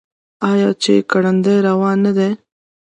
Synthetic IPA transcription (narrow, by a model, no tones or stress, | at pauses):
ɑjɑt͡ʃekaɽand̪ajɾawɑnːad̪e